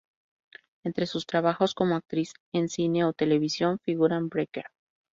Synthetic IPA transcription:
e̞nt̪ɾesust̪ɾaβaxo̞sko̞mo̞ak̚t̪ɾise̞nsine̞ot̪e̞le̞β̞isjo̞ɱfiɣuɾambɾekeɾ

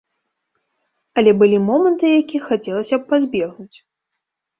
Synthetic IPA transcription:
ɐlʲɛbɨlʲimɔmɐnt̪ɨjakʲixat͡sʲɛlˠɐsʲɐppːazʲbʲɛɣnut͡sʲ

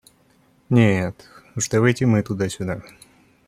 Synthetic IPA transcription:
nʲet̪uʂd̪ɐvɐjtʲɪmɨt̪ʊd̪asʲʊd̪a

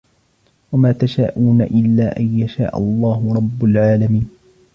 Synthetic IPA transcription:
wamaːt̪aʃaːʔuːna̰ʔɪlːaːʔajjaʃa̰ːʔɑ̰lˤːɑːhʊɾˤɑbːʊlʕaːlamiːn

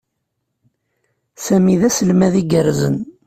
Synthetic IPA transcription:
sæmiðæsəlmæðiɡəɾzə̰n

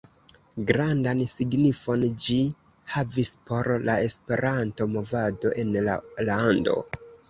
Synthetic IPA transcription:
ɡɾandansiɡnifo̞nd͡ʒi | havispo̞ɾlae̞spe̞ɾʔanto̞mo̞vado̞ʔe̞nlalando̞̰

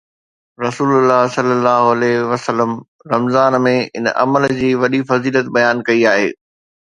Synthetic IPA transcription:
ɾɐsuːlʊlːaːɦsɐlːəlːaːɦoɐlɛɦʋɐsəlːəm | ɾɐmzaːnmẽɪ̰nʔɐ̰məld͡ʑiːʋɐɗifɐziːlət̪̚bɐjaːnkɐiaːɦḛː

